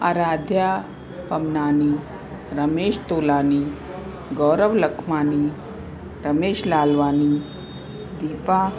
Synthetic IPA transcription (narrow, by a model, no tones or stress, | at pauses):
a̰ɾaːd̪ʱja | pɐmnaːniː | ɾəmeːʃt̪oːlaːniː | ɡɔɾəʋləkʰmaːniː | ɾəmeːʃlaːlʋaːniː | d̪iːpa